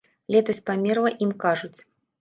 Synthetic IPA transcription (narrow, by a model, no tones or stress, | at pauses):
lʲɛt̪ɐsʲpamʲɛrlˠɐʔimkaʐut͡sʲ